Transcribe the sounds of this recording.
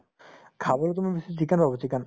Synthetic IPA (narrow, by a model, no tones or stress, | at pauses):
kʰabolot̪omibisit͡ɕikanpabot͡ɕikan